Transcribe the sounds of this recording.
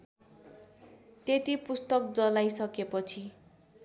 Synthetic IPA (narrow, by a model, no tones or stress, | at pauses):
t̪et̪ipust̪ʌk̚d͡zʌlajsʌkepʌt͡sʰi